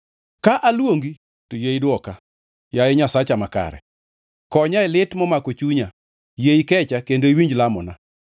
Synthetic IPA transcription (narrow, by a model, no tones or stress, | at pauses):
kaʔalwoŋɡi | tojeidwɔka | jajɛɲasat͡ʃamaka̰ɾɛ̰ | kɔɲaɪlɪtmɔmakot͡ʃuɲa | jeikɛt͡ʃakendoiwiɲd͡ʒlamɔna